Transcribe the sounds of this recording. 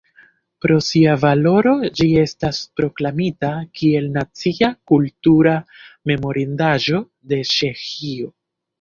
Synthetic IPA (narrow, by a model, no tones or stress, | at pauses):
pɾo̞siavalo̞ɾo̞d͡ʒie̞staspɾo̞klamitakie̞lnat͡siakultuɾame̞mo̞ɾindaʒo̞ | de̞t͡ʃe̞xio̞